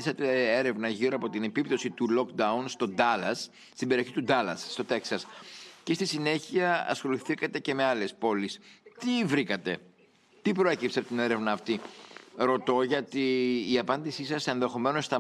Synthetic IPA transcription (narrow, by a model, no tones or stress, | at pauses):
isɐt̪ee̞ɾe̞vnɐʝiɾoɐpo̞t̪ine̞pipt̪o̞sit̪ulo̞kd̪ɐunst̪o̞d̪ɐlɐs | t̪imbe̞ɾio̞çit̪ud̪ɐlɐsːt̪o̞t̪e̞ksɐscest̪isine̞çiɐɐ̰sxo̞liθikɐt̪e̞ce̞me̞ɐle̞spo̞list̪ivɾikɐt̪e̞ | t̪ipɾo̞e̞cipseɐpot̪ine̞ɾevnɐːft̪iɾo̞t̪o̞ʝɐt̪iːɐpɐnd̪isisɐse̞nðe̞xo̞me̞nost̪ɐ